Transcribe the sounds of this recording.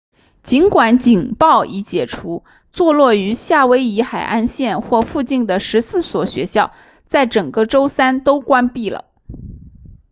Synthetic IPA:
t͡ɕi˧˥nkwa˧˥nt͡ɕi˨˩ŋpɑ˥˩ʊʔi˧˥t͡ɕjɛ˨˩ʈ͡ʂʰu˧˥ | t͡swɔ˥˧lwɔ˥˩y˧˥ɕja˥˩we˥ɪi˧˥xa˨˩ɪʔa̰˥˧nɕjɛ˥˧nxwɔ˥˧fu˥˧t͡ɕi˥˩nd̪ə˩ʂɻ̩˧˥sɹ̩˥˩swɔ˨˩ɕɥɛ̰˧˥ɕjɑ˥˩ʊ | t͡sa˥˩ɪʈ͡ʂɤ˨˩ŋɡə˧ʈ͡ʂo˥ʊsa˥nt̪o˥ʊkwa˥npi˥˩lə̰˩

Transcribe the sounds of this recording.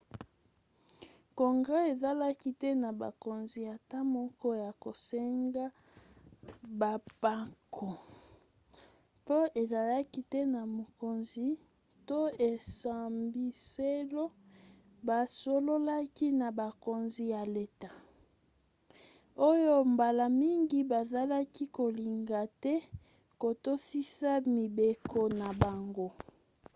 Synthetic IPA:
ko˨ŋɡa˦e˨za˦la˦ki˦tɛ˦na˨ba̰˨ko˨nzi˨ja˨ta˦mɔ˦kɔ˦ja˨ko˨sɛ˦ŋɡa˦ | ba˨pa˦kʰo˨ | po˦e˨za˨la˦ki˦tɛ˦na˨mo˨ko˨nzi˨ | to˦e˨sa˨mbi˨se˦lo˦ | ba˨so˦lo˦la˦ki˦na˨ba˨ko˨nzi˦ja˨le˦ta˨ | o˦jo˦mba˨la˨mi˦ŋɡi˦ba˨za˦la˦ki˦ko˨li˨ŋɡa˨tɛ˦ | ko˨to˦si˦sa˦mi˨be˨kʰo˦na˨ba˨ŋɡo˦

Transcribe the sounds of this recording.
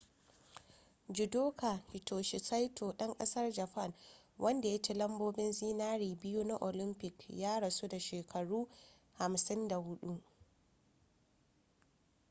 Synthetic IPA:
d͡ʒɪ˨doː˦ka˨hɪ˨tʰoː˨ʃɪ˨sa˦jtʰoː˨ɗɐ˦ŋkʼɐ˦sɐ˦rd͡ʒɐ˨ɸɐ˦˨n | wʔɐ˦nda˨jɐ˦t͡ʃɪ˨lɐ˦mboː˦bɪ˦nziː˦naː˦ɾiː˨bɪ˦ju˦na˦ʔo˨lɪ˦mpɪ˨kjaː˦ɽɐ˨su˦da˨ʃeː˨kʰɐ˨ɽuː˦ | ha˨msɪ˦nda˨hʊ˦ɗu˦

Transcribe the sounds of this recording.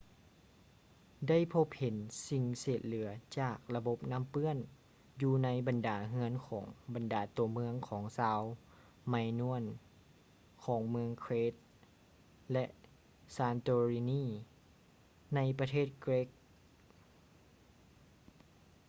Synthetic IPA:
da˥˩˨jpʰo˧˦˥p̚he˨˦nsi˧ŋseː˨˩t̪̚lɯ˩˦ɐt͡ɕaː˨˩k̚la˧bo˧p̚na˧˥˨mpɯ˧˥˩ən | juː˧na˧˥jba˨ndaː˩˦ɦɯ˧˥ənkʰɔː˩˦ŋba˨ndaː˨˩˦t̪u˧˩əmɯ˧əŋkʰɔː˩˦ŋsaː˧˥w | ma˧jnu˧˥ən | kʰɔː˩˦ŋmɯ˧əŋkʰweː˧˥t̪̚ | lɛ˧ʔ | saː˧nt̪oː˧ɾiː˧niː˧˥˩ | na˧˥jpa˧t̪ʰeː˥˩t̪̚kɾe˦˥k̚

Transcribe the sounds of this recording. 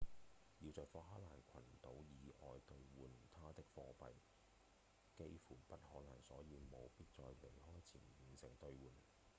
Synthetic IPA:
jiː˧wt͡sɔː˨˧fɔː˧˥ɦaː˥laː˨˩nkʷʰɐ˨˩nt̪o˨˥wjiː˨˧ʔɔː˨jt̪ɵ˧ɥwuː˨nt̪ʰaː˥t̪ɪ˥k̚fɔː˧pɐ̰˨j | ke˥jfuː˨˩pɐ˥t̚hɔː˨˥nɐ˨˩ŋsɔː˨˥jiː˧wmo˨˧wpiː˥t̚t͡sɔː˧jle˨˩jhɔː˥jt͡sʰiː˨˩nji˨˩nsɪ˨˩ŋt̪ɵ˧ɥwuː˨n

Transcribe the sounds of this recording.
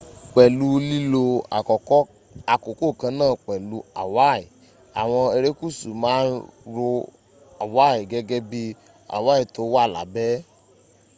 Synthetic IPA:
k͡pɛ˨lu˧li˦lo˧a̰˨kɔ˨kɔ˦ | a˧ko˨ko˦˨kã˧˦nãː˦˨k͡pɛ˨lu˧a˨wa˦i˨ | a˨w̃ɔ̃˧e˧ɾe˦ku˦˨su˨mãː˨˦n̩ɾo˧ | a˨wa˦i˨ɡɛ˦ɡɛ˦bi˧ | a̰˨wa˦i˨to˧˦wa˦˨la̰˨˦bɛ˦

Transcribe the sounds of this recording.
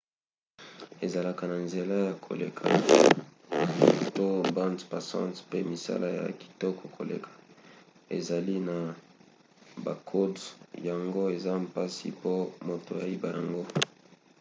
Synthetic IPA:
e˨za˨la˨ka˨na˨nze˨la˦ja˨kʰo̰˨lḛ˨kʰa˨ | to˦bã˦ntpa˨sã̰˦ntpe˦mi˨sa̰˦lʔa˦ja̰˨ki̥˨tɔ˦ko˨kʰo˨lḛ˨kʰḁ˨ | ḛ˨za˨li˦na˨ | ba˨kʰo˦dja˨ŋɡo˦e˨za˦mpa˦sḭ˨po˦mo˨to˨ja˨i˦ba˨ja˨ŋɡo˦

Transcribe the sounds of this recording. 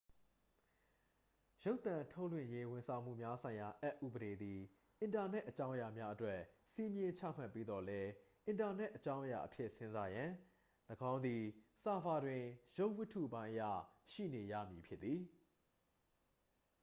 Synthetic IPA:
jo˦ʊt̪ã˨ntʰo˦ʊʔlwɪ̰̃˦˨je˦wʊ̃˨nsʰã˨ʊ̃m̥ṵ˦˨mja˦sʰã˨ɪ̃ja˨ʔɛ˦ʔːṵ˦˨bəɾe˨d̪i˨ | ʔɪ̃˨nta˨nɛ˦ʔət͡ɕã˦ʊ̃əja˨mja˦ʔətwɛ˦ʔsi˦mjɪ̃˦t͡ɕʰa̰˦˨m̥a˦˨pːe˦d̪ɔ˨lɛ˦ʔɪ̃˨nta˨nɛ˦ʔːət͡ɕã˦ʊ̃ʔja̰˨ʔəpʰjɪ˦˨ʔsɪ̃˦nza˦jã˨ | ləɡã˦ʊ̃nd̪i˨sa˨pa˨dwɪ̃˨jo˦ʊʔwɪ˦tʰːṵ˦˨bã˦ɪ̃ʔə˦jä̰˦˨ʃḭ˦˨ne˨jä̰˦˨mji˨pʰjɪ˦t̪ːi˨

